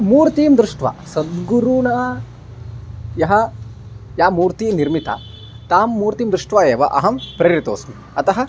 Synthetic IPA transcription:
muːɾt̪iːmd̪ɾuʂʈʋa̰ːsɐd̪ɡuɾunɐ | jɐɦɐ̆ | jaːmuːɾt̪iːniɾmit̪ɐ̰ | t̪aːmːuːɾt̪iːmd̪ɾuʂʈʋaeːʋɐ̰ʔɐ̰ɦɐmpɾɐːɾit̪oːsmi | ɐt̪ɐɦɐ̆

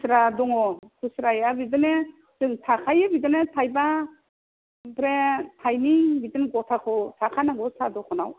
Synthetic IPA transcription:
sɾadɔŋɔkʰusɾajabidɯne | zɯŋtʰakʰajɯbidɯnetʰajba | bɾetʰajnibidɯnɡɔtʰakʰɔtʰakʰanaɡɔsadɔkʰɔnaw

